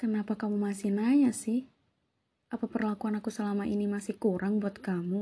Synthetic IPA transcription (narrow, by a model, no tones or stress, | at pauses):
kənapakamumasihnajasɪh | ʔapapərlakuanakusəlamaʔinimasihkuɾaŋbuat̪̚kamu